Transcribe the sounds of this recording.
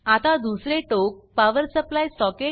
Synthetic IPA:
at̪ad̪usɾeʈok̚paʋəɾsəplajsɔke

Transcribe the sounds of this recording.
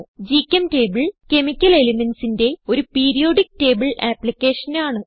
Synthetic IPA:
d͡ʑikʲːɐmte̞ːbɨɭke̞mikʲːɐle̞limensinde̞o̞ɾupiːɾijo̞ːɖik̚te̞ːbɨɭaːplikʲːe̞ːʂɐnaːɳɨ

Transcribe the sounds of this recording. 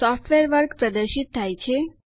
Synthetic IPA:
ɔfʈʋeɾʋəɾkpɾəd̪əɾʃit̪̚t̪ʰːajt͡ɕʰe

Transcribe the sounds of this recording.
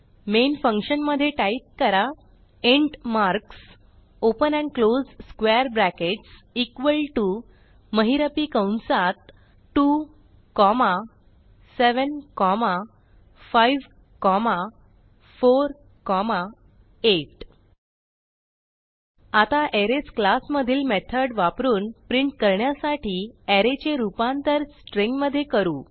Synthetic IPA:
menfə̃ŋkɕənməd̪ʱːjeʈajt̚kəɾa | eɳʈmaɾks | opənɛ̃ɳɖklod͡zskʋeɾbɾækeʈsikʋəlʈu | məɦiɾəpikəwnsat̪̚ | ʈu | kɔma | seʋənkɔma | fajʋ | kɔma | foɾ | kɔma | eʈ | at̪aʔeɾet͡sklasməd̪ʱiːlmet̪ʰəɽʋapɾuːnpɾiɳʈ̚kəɾɳjasaʈiːɛɾet͡ɕeɾupãnt̪əɾsʈɾeŋɡməd̪ʱːjekəɾuː

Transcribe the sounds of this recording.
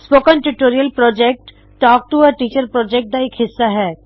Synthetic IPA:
spoːkə̃nʈuʈoːɾijəlpɾɔːd͡ʒɛk̚ʈː | ɔːk̚ʈuɔːɾʈiːt͡ʃəɾpɾɔːd͡ʒɛk̚ʈ̚d̪aeːkɦɪsːaɦɛː

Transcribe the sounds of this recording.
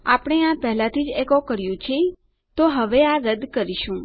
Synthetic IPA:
a̰pɽ̃eãpɛɦlãt̪ʰid͡ʒekokəɾjũt͡ʃʰe | t̪oɦəʋeaɾəd̪kəɾiʃũ

